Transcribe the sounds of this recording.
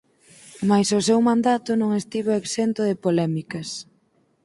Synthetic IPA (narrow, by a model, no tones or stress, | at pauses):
majsʊsewmãnd̪at̪ʊnõŋest̪iβoeksent̪ʊðɪpolɛmikɐs